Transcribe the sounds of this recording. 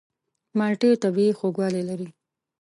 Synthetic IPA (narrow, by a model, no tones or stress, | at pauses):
mɑʈet̪abiexoɡwɑlelaɾi